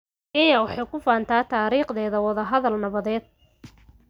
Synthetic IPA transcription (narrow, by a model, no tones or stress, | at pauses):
kɛjɐwɑħɑjkʰʊfaːnt̪ʰaːt̪ʰaːɾiːχðɛːðɐwɐðɐɦɐðɐlnɐβɐðɛːd̪̥̚